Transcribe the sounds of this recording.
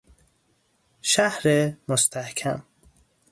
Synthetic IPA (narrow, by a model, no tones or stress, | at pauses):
ʃæhɾemost̪ʰæhkʰæ̰m